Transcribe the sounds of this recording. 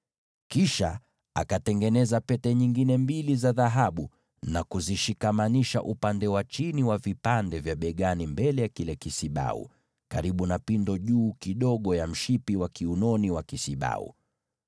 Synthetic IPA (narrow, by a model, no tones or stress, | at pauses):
kiʃa | a̰katɛŋɡɛnɛzapɛtɛɲiŋɡinɛmbilizaðaɦaɓu | nakuziʃikamaniʃa̰ʔupandɛwat͡ʃiniwavipandɛvjaɓɛɠanimbɛlɛjakilɛkisiɓa̰ṵ | kaɾiɓunapindɔʄuːkiɗɔɠɔjam̩ʃipiwakiunɔniwakisiɓa̰ṵ